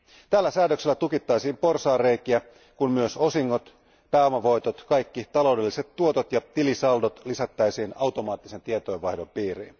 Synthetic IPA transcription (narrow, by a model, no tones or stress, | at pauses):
t̪æːlːæsæːdøkselːæt̪ukit̪ːɑjsiːmpo̞rsɑːre̞ikiæ | kunmyøso̞siŋːo̞t̪ | pæːomɑʋo̞jt̪o̞t̪kɑjkːit̪ɑlo̞wde̞lːiset̪ːuo̞t̪ot̪jɑt̪ilisɑldot̪lisæt̪ːæjsiːnɑwt̪o̞mɑːt̪ːise̞nt̪iet̪ojʋʋɑhdo̞mpiːɾḭn